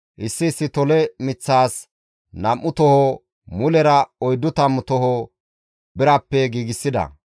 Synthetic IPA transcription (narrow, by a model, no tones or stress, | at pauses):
ʔɪsːɪːsːɪt̪ɔlɛmɪt͡sːaːs | nɐmːʊt̪ɔhɔ | mʊlɛɾɐɔjd̪ːʊt̪ɐmʊt̪ɔhɔ | bɪɾɐpːɛɡiːɡɪsːɪd̪ɐ̰